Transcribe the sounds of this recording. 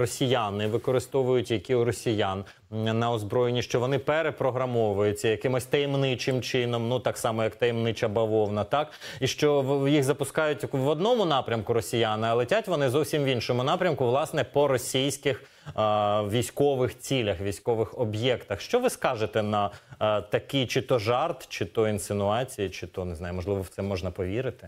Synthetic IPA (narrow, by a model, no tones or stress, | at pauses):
rɔsʲijanɪʋɪkɔɾɪst̪ɔʋʊjʊtʲjɐkʲiʊɾɔsʲijan | nɐɔzbɾɔjenʲiʃt͡ʃɔʋɔnɪpɛɾepɾɔɦɾɐmɔʋɐjʊt͡sʲːɐjɐkɪmɔsʲt̪ɐjimnɪt͡ʃɪmt͡ʃɪnɔmnut̪ɑksɑmɔjɐkt̪ɐjmnɪt͡ʃɐbɐʋɔwnɐt̪ɑk | iʃt͡ʃɔjiɣzɐpʊskɑjʊtʲʋɔd̪nɔmʊnɑpɾʲɐmkʊɾɔsʲijanɪɐlˠɛtʲatʲʋɔnɪzɔwsʲimʋʲinʃɔmʊnɑpɾʲɐmkʊʋlˠɑsnɛpɔɾɔsʲijsʲkɪx | ʋʲijsʲkɔʋɪxt͡sʲilʲɐxʋʲijsʲkɔʋɪxɔbjɛkt̪ɐxʃt͡ʃɔʋɪskɑʒet̪ɛnɐt̪ɐkɪjt͡ʃɪt̪ɔʒɑrt̪t͡ʃɪt̪ɔinsɪnʊɑt͡sʲijit͡ʃɪt̪ɔnɪznɑjʊmɔʒlˠɪʋɔwt̪ɛmɔʒnɐpɔʋʲiɾɪt̪ɪ̥